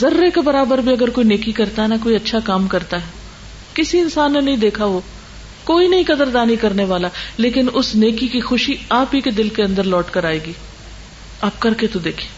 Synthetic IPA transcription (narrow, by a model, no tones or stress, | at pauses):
zɐɾːekebɐɾaːbəɾbʱiɐɡəɾkoːineːkikɐɾt̪aɦɛnɐkoːiɐtːʃʰakaːmkɐɾt̪aɦɛ | kɪsiɪnsaːnːenɐɦĩd̪eːkʰaʋoː | koːinɐɦĩkɐd̪əɾd̪aːnɦĩkɐɾneʋaːlaleːkɪnʊsneːkikixʊʃiaːpiked̪ɪlkeɐ̃nd̪əɾlɔːʈkɐɾaːeːɡiː | aːp̚kɐɾket̪od̪eːkʰieː